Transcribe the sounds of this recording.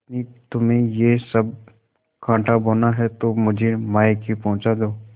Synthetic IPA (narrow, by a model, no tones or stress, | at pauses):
t̪nit̪ʊmẽjesɐb | kʰãːʈaboːnaɦɛt̪omʊd͡ʒʱemaːekipɐɦʊ̃t͡ʃad̪oː